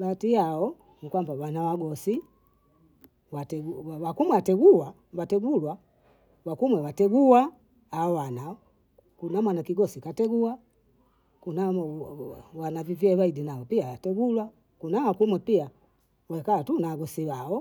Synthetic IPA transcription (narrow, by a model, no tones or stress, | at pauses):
batijaɔ | nikwambawanawaɡɔsi | watɛɡuwawakumwɛatɛɡuwa | watɛɡulwa | wakumwɛwatɛɡuwaː | ɔwana | kunamwanakiɡɔsikatɛɡuwa | kuna | wanavivjɛwaidinaɔpiawatɛɡulwa | kunawakumwɛpia | wɛkaatunawaɡɔsiwaɔ